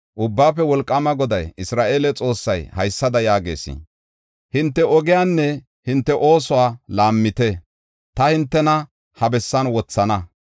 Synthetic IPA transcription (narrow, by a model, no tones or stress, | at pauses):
ʔʊbːaːfɛwɔlkʼːɐmɐɡɔd̪ɐjɪsɾaːʔe̞ːlɛt͡sʼo̞ːsːɐjhɐjsːɐd̪ɐjaːɡe̞̰ːsḭ | hɪnt̪ːɛʔɔɡɪjaːnːɛ | hɪnt̪ːɛʔo̞ːsʊwaːlaːmːɪt̪ɛ | t̪ɐhɪnt̪ːɛnɐ | hɐbɛsːɐnwɔt͡sːɐnɐ